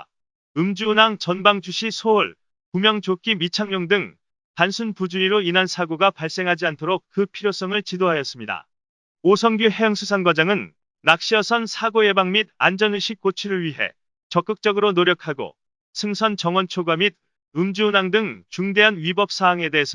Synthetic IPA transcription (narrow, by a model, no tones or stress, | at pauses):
ɯmd͡ʑuːnaŋt͡ɕʌnbaŋd͡ʑuɕʰisʰouɭ | pumjʌŋt͡ɕok͈imit͡ɕʰaŋmʌŋdɯŋ | tansʰunpud͡ʑuiɾoinansʰaɡoɡapaɭs͈e̞ŋɦad͡ʑiantʰoɾok̚k͈ɯpʰiɾjos͈ʌŋɯɭt͡ɕidoɦajʌs͈ɯmɲida̰ | osʰʌŋɡjuɦe̞jʌŋsʰusʰanɡwad͡ʑaŋɯnː | ak̚ɕ͈iʌsʰʌnsʰaɡoje̞baŋmida̰nd͡ʑʌnɯɕʰik̚k͈ot͡ɕʰiɾɯɭɥiɦe̞̰ | t͡ɕʌk͈ɯk̚t͡ɕ͈ʌɡɯɾonoɾjʌkʰaɡo̰ | sʰɯŋsʰʌnt͡ɕʌŋwʌnt͡ɕʰoɡwamid̚ | ɯmd͡ʑuːnaŋdɯŋt͡ɕuŋde̞ɦanɥibʌp̚s͈ʰaɦaŋe̞de̞ɦːsʰ